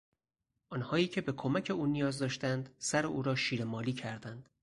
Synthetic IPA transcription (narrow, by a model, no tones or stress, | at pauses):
ʔɒːnhɒːiːcʰe̞be̞kʰomæcʰe̞uːnijɒːzd̪ɒːʃt̪ænd̪sæɾeʔuːɾɒːʃiːɾemɒːliːcʰæɾd̪ænd̪̥